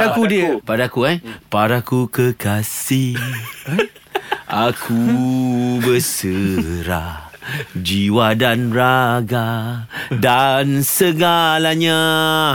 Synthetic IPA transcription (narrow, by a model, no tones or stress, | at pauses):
akudiəpadakuajpaɾakukəkasi | ʔakʰu | bəsəɾa | d͡ʒiwadanraɡa | dansəɡalaɲa